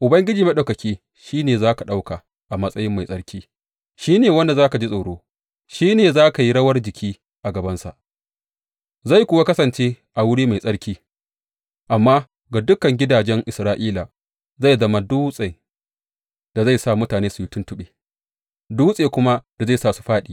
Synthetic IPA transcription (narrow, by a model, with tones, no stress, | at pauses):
ʔʊ˨bɐ˦ŋɡʲɪ˦d͡ʒiː˨mɐ˦ɗa˨kɐ˨kʲiː˦ | ʃiː˦neː˨zaː˦ka˨ɗa˦wka˨ | ʔa˨mɐ˦sʼɐ˦jɪ˦mːa˨jsʼɐ˦ɽkʲʰiː˦ | ʃiː˦neː˨wɐ˦nda˨zaː˦ka˨d͡ʒi˦sʼo˨ɽoː˦ | ʃiː˦neː˨zaː˦ka˨ji˦ɽɐ˦wɐ˦rd͡ʒɪ˨kʲʰiː˦ | ʔa˨ɡɐ˨bɐ˦nsa̰˨ʔ | za˦˨jkʷʊ˦wa˦kɐ˦sɐ˨nt͡ʃeː˦ | ʔa˨wʊ˦ɽiː˦ma˨jsʼɐ˦ɽkʲiː˦ | ʔa˨mːaː˦ | ɡa˨dʊ˦kɐ˨ŋɡʲɪ˦daː˨d͡ʒɛ˦ŋʔɪ˨sɾaː˦ʔiː˦la˨ | za˦˨jzɐ˦ma˦duː˦sʼe˨ | d̥a˨za˦˨jsa˦˨mʊ˦taː˨neː˦su˨ju˦tʊ˦ntʊ˦ɓeː˨ | duː˦sʼeː˨kʷʊ˦ma˦d̥a˨za˦˨jsaː˦˨su̥˨ɸaː˦ɗiː˨